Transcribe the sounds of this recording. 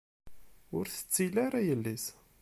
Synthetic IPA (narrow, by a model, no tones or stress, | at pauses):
ʊɾθə̥t͡sːilaɾæjəlːis